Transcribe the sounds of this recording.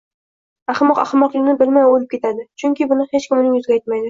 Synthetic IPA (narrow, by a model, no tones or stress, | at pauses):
aχmɒqa̰χmɒqlɪnɪbɪlmajolɪp̚kʲe̞t̪ʰad̪ɪt͡ʃʰʊŋʲkʲɪbʊnɪhet͡ʃkʲɪmʊnɪŋjʊzɡʲajt̪majd̪ɪ